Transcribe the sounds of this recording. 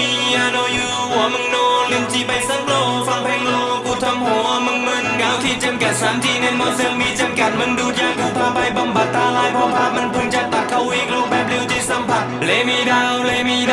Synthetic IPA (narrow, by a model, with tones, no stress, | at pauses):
i˧ʔaː˧noː˧juː˧ | wɔː˨˧˦mɯ˧ŋnoː˧nlɯ˧˥ŋt͡ɕiː˧pa˧˩jsa˧˥nloː˧˩˧fa˧ŋpʰɛ˧˥ŋlɔː˧kuː˧˩t̪ʰa˧mhɔː˨˦ʔa˧mɯ˧ŋmɯ˧ŋkaː˧˥˩wt̪ʰiː˧˩t͡ɕa˧˩mka˨˩t̪̚saː˨˦˥mt̪iː˧˩ne˧nmɔː˧˩sɯ˧˥˨ŋmiː˧˥t͡ɕa˧mka˨˩t̪̚mɯ˧˥˨ŋduː˧˩t̪̚jaː˧˩kuː˧˩pʰaː˧pʰa˧˩jba˨˧˩mba˨˩t̪̚ʰːaː˧laː˧˦jpʰɔː˧˩pʰaː˧˩p̚ma˧˥˨npʰu˧˩ŋt͡ɕa˧˩t̪a˨˩t̚kʰːa˧˩wwiː˧˥k̚luː˧˩k̚bɛː˧˩p̚li˧˥˨wt̪ʰiː˧˩sa˧˦mpʰa˨˧˩t̪̚lɛː˨˦˥miː˧da˧wlɛ˧˥miː˧